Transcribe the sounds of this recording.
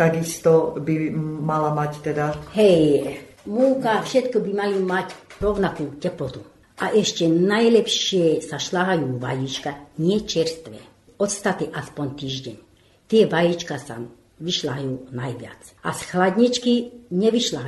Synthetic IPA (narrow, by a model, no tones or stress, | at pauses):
t̪aɡist̪ɔbimalamact̪ɛd̪ahɛj | muːkafʃɛt̪kɔbimaluːmacɾɔʋnakuːcɛplɔt̪u | ʔaʔɛʃcɛnajlɛpʃɪɛsaʃlaɦajuːʋa̰jiːt͡ʃkaɲɪɛt͡ʃɛɾst̪ʋɛ̰ | ɔt̪st̪at̪ɛʔaspɔɲt̪iːʒɟɛɲ | t̪ɪɛʋajit͡ʃkasa̰ | ʋiʃlaɦajuːnajʋɪa̰t͡s | a̰sxlad̪ɲit͡ʃkiɲɛʋiʃlaɦ